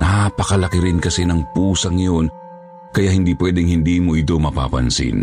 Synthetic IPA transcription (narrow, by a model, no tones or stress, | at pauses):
napɐkɐlɐkɪɾɪnkɐsɛnɐŋpuːsɐŋjon | kɐjaʔhɪnd̪ipwɛːd̪ɛŋhɪnd̪iːmoʔɪt̪̬omɐpa̰ːpɐ̰nsɪ̰n